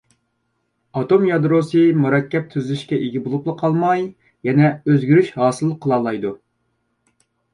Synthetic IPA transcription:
ɑt̪omjɑd̪ɾosɨmuɾɑkʲːɛp̚t̪ʰyzlyʃkʲɛʔeɡʲibolˠuplˠəqʰɑlˠmɑj | jɛnɛøzɡʲyɾyʃɦɑːsɨlˠqʰːəlˠɑːlˠɑjd̪u

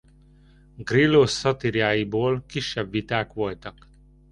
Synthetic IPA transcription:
ɡrilosːɒt̪iɾjaːjiboːlkiʃːɛbʋit̪aːkʋo̞lt̪ɒk

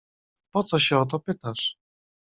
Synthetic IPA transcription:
pɔt̪sɔɕɛɔt̪̬ɔpɘt̪aʂ

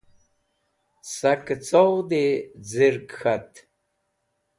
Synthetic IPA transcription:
sakt͡sowd̪ed͡ziɾkxat̪

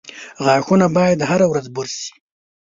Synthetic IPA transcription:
ɣɑxunabɑjad̪haɾawɾazbʊɾsi̥

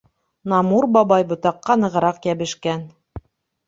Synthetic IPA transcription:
nɑmuɾbɑbɑjbŏt̪ɑqːɑnɤ̆ʁɤ̆ɾɑqjæβɘ̆ʃkæn

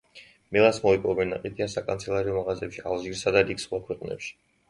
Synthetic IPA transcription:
milˠasmɔipʼɔvɛnːaqʼit̪ʰiasakʼa̰nt̪sʰɛlˠaɾiɔmaʁazɛpʃia̰lˠʒiɾsad̪aɾiksχwakʰwɛqʼnɛ̰pʃi̥

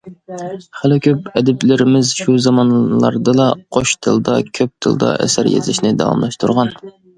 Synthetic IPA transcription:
χælɪkʲʰøp̚ɛd̪ɪplɪɾɪmɪzʃuzɑmɑnlˠɑ̰ɾd̪ɨlɑqʰoʃt̪ʰɨlˠd̪ɑkʲʰøp̚t̪ʰɨlˠd̪ɑ̰ʔɛ̰sæɾjḛzɪ̰ʃnɪd̪ɑ̰wɑ̰mlˠɑʃt̪ʰuɾʁɑn

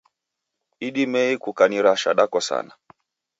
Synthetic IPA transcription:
iɗimɛikukaniɾaʃa̰ɗakɔsa̰na

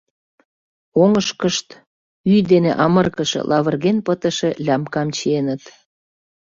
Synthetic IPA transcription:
oŋəʃkəʃt̪ | yjd̪enḛʔɑmərkəʃḛlʔɑβərɣenpət̪əʃelʲɑmkɑmt͡ɕienət̪

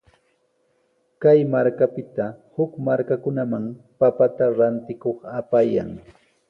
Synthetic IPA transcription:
kajmaɾkapɪt̪ahʊkmaɾkakʊnamaŋ | papat̪aɾant̪ɪkoχapaja̰ŋ

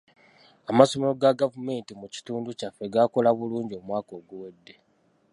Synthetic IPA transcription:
amaso̞melo̞ɡaɡavume̞ːntimuci̥tuːnducafːe̞ɡako̞laβuluːɲɟiomwaːko̞ːɡuwedːe̞

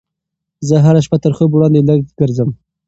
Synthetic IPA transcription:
zəɦaɾaʃpat̪əɾxobwɽɑnd̪eləɡ̚ɡ̥əɾzəm

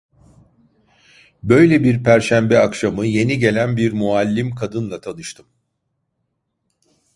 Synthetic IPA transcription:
bø̞jlʲebiɾpʰæɾʃæmbɛakʃamɯje̞niɟe̞lʲænbiɾmualʲːimkʰad̪ɯnlˠat̪ʰanɯʃt̪ʰɯm

